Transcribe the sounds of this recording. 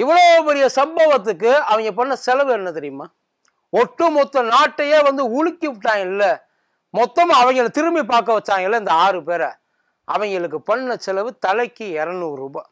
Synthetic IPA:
ɪʋːɐɭoːpɛɾɪjɐsɐmbɐʋɐt̪̬ːɯkːɯɐʋɐŋɡɐp̬ɐɳːɐsɛlɐʋɯɛnːɐt̪ɛɾɪjɯmaː | ɔʈːɯmɔt̪ːɐ̃naːʈːɐjeːʋɐnd̪ɯʊɻɪkːɪʋɪʈːaːŋɡɐnɪlːɐ | mɔt̪ːɐmaɐʋɐŋɡɐɭt̪ɪɾɯmbip̬aːɾkɐʋɐt͡ʃːaːŋɡɐɭlːɐɪnd̪ɐaːɾɯpeːɾɐ | ʔɐʋɐŋɡɐɭɯkːɯpɐnːɐsɛlɐʋɯt̪ɐlɐɪkːɯɛɾɐnuːɾuːba̰ː

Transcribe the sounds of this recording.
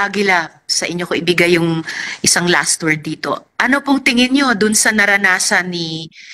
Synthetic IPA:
aɡɪla | sɐʔɪɲːokoʔɪbɪɡajːʊŋʔɪsaŋla̰st̪wɛɹd̪̚ːiːt̪o̞̰ʔɐnopʊŋt̪ɪŋɪnɲo̞d̪ʊnsɐnɐɾɐnaːsɐnːi

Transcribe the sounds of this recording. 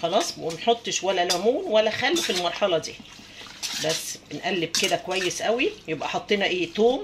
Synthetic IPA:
xɑlɑːsˤbʔumnħot̪ˤːʃwælːælæmuːnwælːæxælːifilmɑɾˤħɑlɑd̪ḭː | bæsːb̥enʔælːeb̚ked̪ækowæjːesʔæwijebʔæħɑt̪ˤːeːnɑʔeːt̪oːm

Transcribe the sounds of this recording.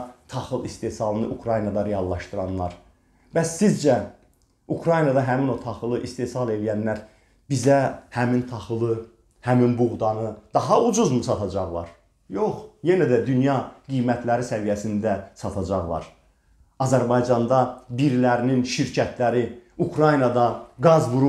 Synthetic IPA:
t̪ʰɑχɯlˠist̪esɑlˠɯnɯʔukʰɾɑjnɑd̪ɑɾejɑlˠːɑʃt̪ɯɾɑnːˠɑɾ | b̥æsːizd͡ʒæ | ukʰɾɑjnɑd̪ɑɦæmino̞t̪ʰɑχɯlˠɯʔist̪esɑlˠe̞lijænlæɾ | b̥izæhæmint̪ʰɑχɯlˠɯ | hæminbuɣd̪ɑnɯd̪̥ɑɦɑud͡ʒuzmusɑt̪ʰɑd͡ʒɑʁlˠɑ̰ɾ | joχje̞næd̪æd̪ynjɑɡijmæt̪ʰlæɾisævijæsind̪æsɑt̪ʰɑd͡ʒɑʁlˠɑ̰ɾ | ɑzæɾbɑjd͡ʒɑnd̪ɑbiɾlæɾininʃiɾcʰæt̪ʰlæɾiukʰɾɑjnɑd̪ɑɡɑzvuɾu

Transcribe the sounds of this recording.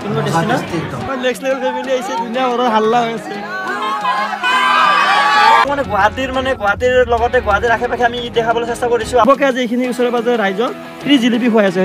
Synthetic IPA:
kunɔbadesinai | ɔjnekslebɛlpʰemilieɦjsɛdunijabɔɾɔɦalːaɦojasɛ | manɛɡɔɦatiɹmanɛɡɔɦatiɹlɔɡɔtɛɡɔat̬iɹakʰɛpakʰiamidɛkʰabɔlasestakoɹisʊ̃abɔkɛaziejkʰiniusɔɹɔbazɔɾajzɔ | pɹizilip̬iɦuajas̬ɛ

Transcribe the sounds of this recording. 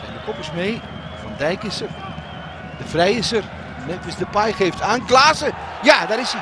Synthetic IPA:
sɛjndəkɔpərsmeː | fɔndɛjkɪsər | d̥əfrɛjɪsər | nɛtəsdəpajxeːftaːnklaːsə | jadaɾɪs

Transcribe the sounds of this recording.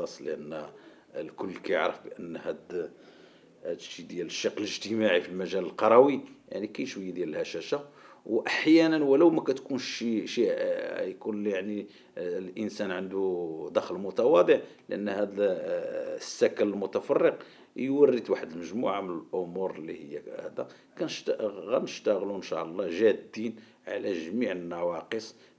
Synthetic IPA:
ɑsˤləʔənː | lkʊlːkæjə̰ʕɾəfbəʔənːhæd̪ | d̪ʃid̪jæləʃːɑqːələʒt̪əmaʕifilmæʒæləlqɑɾˤɑwija̰ʕnikæjəʃwəjːd̪jæləlhæʃæʃawʔaħjænənwələwmækæt̪kunʃiʃijkunljaʕni | lʔənsænʕənd̪ud̪ɑxəlmʊt̪ɑwɑd̪ˤəʕləʔə̰nːhæd̪ | sːækələlmʊt̪æfɑrˤːəq | jwərːət̪waħəd̪əlməʒmṵʕamənəlʔomuɾˤlːihəjːæhæ̰d̪æ | kænəʃt̪ɣænəʃt̪æɣlunʃɑ̰ʔəlˤːɑʒæd̪ːin | ʕa̰læʒəmiʕənːæwɑqəsˤ

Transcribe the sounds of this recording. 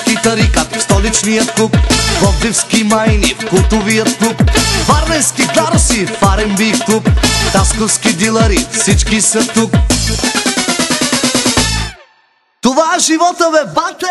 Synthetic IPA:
kit̪ɐɾikat̪st̪ɔlit͡ʃnijət̪k̪upvɔvlifskimajnifkulˠt̪ovijət̪ːupfaɾnɛnskiɡlˠaɾsifaɾɛmbikt̪upt̪askofskid̪ilˠɐɾifsit͡ʃkisət̪uk | t̪ovaɛʒivɔt̪əbɛbat̪

